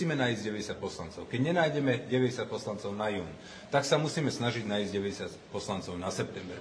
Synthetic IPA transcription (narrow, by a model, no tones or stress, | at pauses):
iːmɛnaːizɟɛʋɛɟɛsjac̪̚pɔslant͡sɔʊkɛɟɲɛnaːjɟɛmɛɟɛʋɛɟɛsjac̪̚pɔslant͡sɔʊnajuːn | t̪aksamusiːmɛsnaʒiɟnaːizɟɛʋɛɟɛsɪacpɔslant͡sɔʊnasɛp̚t̪ɛmbɛɾ